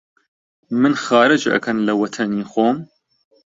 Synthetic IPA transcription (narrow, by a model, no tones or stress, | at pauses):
mɨnxɑːɾɨd͡ʒʔɐ̰kʰɐnlɐwɐt̪ʰɐniːxoːm